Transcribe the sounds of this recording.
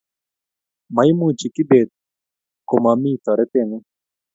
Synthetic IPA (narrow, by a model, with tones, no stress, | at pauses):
ma˦jmu˦t͡ʃi˨kɪ˦be˨t̪̚ | ko˨mami˦t̪ɔ˨ɾɛ˦t̪ɪ˦nɪ˦